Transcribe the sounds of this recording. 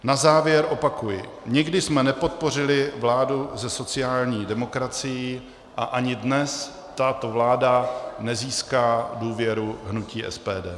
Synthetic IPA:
nazaːvjɛɾʔo̞pakujɪ | ɲɪɡdɪsmɛnɛpo̞t̪̚po̞r̝ɪlɪvlaːduzɛso̞t͡sɪjaːlɲiːdɛmo̞kɾat͡sɪji | ʔaʔaɲɪdnɛs | t̪at̪o̞vlaːdanɛziːskaːduːvjɛɾuɦnuciːʔɛ̰spɛːdɛː

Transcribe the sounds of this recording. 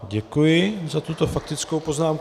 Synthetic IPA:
ɟɛkujɪzat̪ut̪o̞fak̚t̪ɪt͡skowpo̞znaːmk

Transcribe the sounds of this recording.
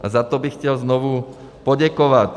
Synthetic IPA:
ʔazat̪ɔbixcɛlznɔʋu | pɔɟakɔʋat

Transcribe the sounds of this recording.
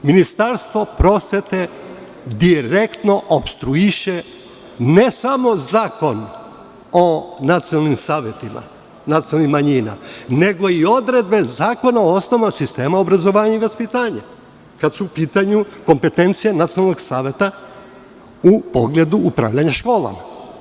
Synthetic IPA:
minist̪aɾst̪ʋo̞pɾo̞sʋe̞t̪e̞ | d̪iɾekt̪no̞ʔopst̪ɾuiʃe | ne̞samo̞zaːko̞n | o̞nat̪sijonalˠnimsaːʋjet̪ima̰ | nat̪jonalnimːaɲina̰ne̞ɡo̞io̞d̪ɾe̞d̪̚be̞zaːko̞naoosnoʋasist̪e̞ːmao̞bɾazo̞ʋaːɲuiʋaspit̪aːɲa | kad̪suːpiːt̪aɲuko̞mpe̞t̪e̞nt̪sijenat̪sionalno̞ɡsaːʋje̞t̪a | upo̞ɡle̞d̪uːpɾa̰ːʋʎaɲaʃko̞ːlˠa̰ma̰

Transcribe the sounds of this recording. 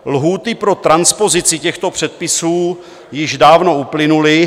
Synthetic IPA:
lɦuːt̪ɪpɾo̞t̪ɾanspo̞zɪt͡sɪcɛxt̪o̞pr̝̥ɛt̪̚pɪsuː | jɪʒdaːvno̞uplɪnulɪ

